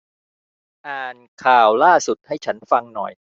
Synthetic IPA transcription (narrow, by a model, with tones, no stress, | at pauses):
ʔaː˨˩nkʰaː˨˩wlaː˥˩su˨˩t̪̚ha˥˩jt͡ɕʰa˦˥nfa˧ŋnɔ̰˨˩j